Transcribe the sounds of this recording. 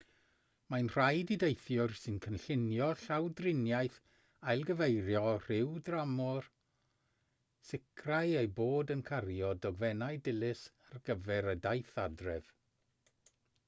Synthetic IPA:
majnr̥ajdidejθjʊrsɨnkʰənɬɪnjɔɬawdrɪnjajθ | ajlˠɡəvejɾjɔr̥ɪwdramɔr | sɪkʰrajejboːdənkʰarjɔdɔɡvɛnajdɪlˠɪsarɡəvɛɾədajθadrɛv̥

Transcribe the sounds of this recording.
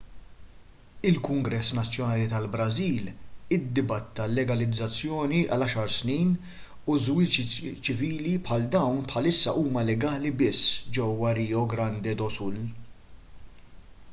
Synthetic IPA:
ɪlkʊŋɡɾɛsːnɐt͡sːjɔnɐːlit̪ɐlbɾɐziːlɪd̪ːɪbɐt̪ːɐlːɛɡɐlɪd͡zːɐt͡sːjɔːniɐ̰lɐʃɐɾsniːn | uzwɪt͡ʃit͡ʃɪviːlipħɐld̪ɐwnpħɐlɪsːɐʔuːmɐlɛɡɐːlibɪsːd͡ʒɛwːɐɾiːɔɡɾɐnd̪ɛd̪ɔsʊl

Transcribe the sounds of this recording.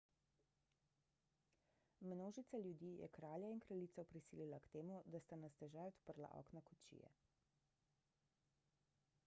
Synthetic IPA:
mnoːʒit̪saljud̪iːjɛ̰kɾaːljainkɾaliːt̪sɔpɾisiːlilakt̪eːmud̪ast̪anast̪ɛʒajɔt̪pəɾla̰ʔɔ̰ːknakɔt͡ʃḭjɛ̰

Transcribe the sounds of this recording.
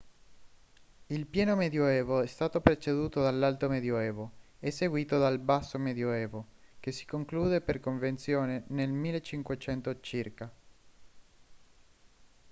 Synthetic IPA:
ilpjɛːnomed̪joɛːvoɛst̪aːt̪opɾet͡ʃed̪uːt̪od̪alːalt̪omed̪joɛːvoɛsːeɡwiːt̪od̪albasːomed̪joɛːvokesi̥koŋkluːd̪eperkoɱvent̪sjoːnenelmilːet͡ʃːiŋkwet͡ʃɛnt̪ot͡ʃirka

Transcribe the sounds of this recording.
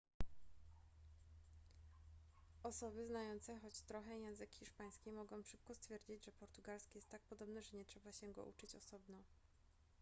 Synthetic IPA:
ɔsɔbɘznajɔnt̪sɛxɔt͡ɕt̪ɾɔxɛjɛ̃nzɘkxʲiʂpaj̃skʲimɔɡɔ̃w̃ʂɘp̚kɔst̪fʲjɛɾd͡ʑid͡ʑʐɛpɔɾt̪uɡalskʲɛjɛst̪ːak̚pɔd̪ɔbnɛʐɛɲɛtʂɛbaɕɛɡɔ̰ʔṵt͡ʂɘt͡ɕɔsɔbnɔ

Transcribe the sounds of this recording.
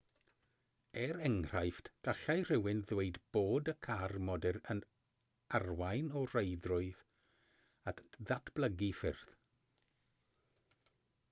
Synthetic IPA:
ɛɾɛŋr̥ajftd̥aɬajr̥ɪwɪnðweɨdb̥oːdəkʰarmɔdɛɾən | arwajnɔr̥eɨdrʊɨð | atʰðatʰb̥lˠəɡifɪ̰rð̥

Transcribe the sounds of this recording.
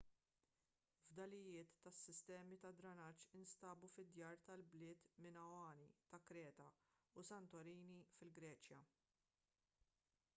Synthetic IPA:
vd̪ɐlɪjɪːt̪ːɐsːɪst̪ɛːmit̪ɐd̪ɾɐnɐt͡ʃːɪnst̪ɐːbufɪd̪jɐːɾt̪ɐlblɪːt̪mɪnɐwɐːnit̪ɐkɾɛːt̪ɐusɐnt̪ɔɾiːnifɪlɡɾɛːt͡ʃjɐ

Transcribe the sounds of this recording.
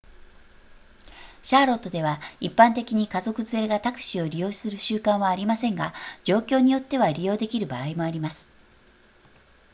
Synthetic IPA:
ɕaːɾo̞t̪ːo̞d̪e̞βaipːãnt̪e̞kʲiɲ̟ikazo̞kɯ̟zɨe̞ɡat̪akɯ̟̥ɕio̞ɾʲijo̞ːsɨɾɯ̟ɕɨːkãɰ̃βaːɾʲimasẽ̞ŋɡad͡ʑo̞ːkʲo̞ːɲ̟ijo̞t̪ːe̞βaɾʲijo̞ːd̪e̞kʲiɾɯ̟baːimo̞aɾʲimasɨ̥

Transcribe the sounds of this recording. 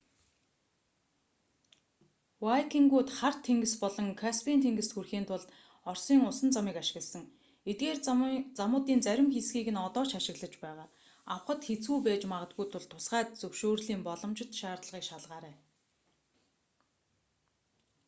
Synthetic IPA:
wajkʰiŋɡuːt̪χar̥t̪ʰːeŋɡɘ̆spɔɮɞ̆ŋkʰaspʰint̪ʰeŋɡɘ̆st̪xurxiːnt̪ʰʊɮt̪ | ɔrsiːŋʊsə̆nt͡samiːkaʃɪ̥̆ɣə̆ɮsə̆ŋ | et̪̚ɡeːrt͡samʊːt̪iːnt͡sæɾʲɪ̆mxesɡiːɣɘ̆nɔt̪ɔːt͡ɕaʃɪ̆ɣɮə̆t͡ɕpæːʁaː | awχə̆t̪xet͡suːpæːt͡ɕmaʁə̆t̪̚ɡujt̪ʰʊɮt̪ʰʊ̥sɢæːt̪̚t͡sɵwʃoːrɮiːmpɔɮɞ̆mt͡ɕɪ̆t̪ʃaːrt̪ɮə̆ʁiːkʃaɮʁaːɾæː

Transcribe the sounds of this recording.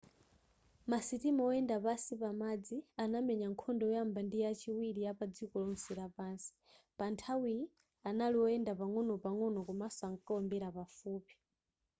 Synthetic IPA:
masitimɔɔɛndapasipamad͡zianamɛɲaŋkʰɔndɔɔjambandijat͡ʃiwiɾijapad͡zikɔlɔn̩siɾapansi̥ | pantʰawi | analiwɔɛndapaŋɔnɔpaŋɔnɔkumasaŋkaɔmbɛɾapafuːpi̥

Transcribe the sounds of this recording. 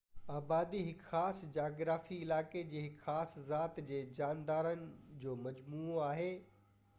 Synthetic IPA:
aːbaːd̪iɦɪkxaːsd͡ʑaːɡɾaːfiɪlaːked͡ʑeːɦɪkxaːszaːt̪d͡ʑeːd͡ʑaːnd̪aːɾənɪ̆d͡ʑoːmɐd͡ʑmuːaːɦeː

